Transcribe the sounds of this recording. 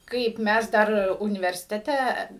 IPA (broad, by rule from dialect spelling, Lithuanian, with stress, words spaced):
ˈkɐɪp ˈmʲæs ˈdɐr ʊnʲɪʋʲɛrʲsʲɪtʲɛˈtʲɛ